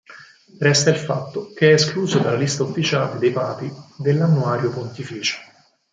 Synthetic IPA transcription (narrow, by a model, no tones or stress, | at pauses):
rɛst̪ailfat̪ːok̟eɛːskluːzod̪alːalist̪aufːit͡ʃaːled̪ejpaːpid̪elːanːuaːɾjopont̪ifiːt͡ʃo̥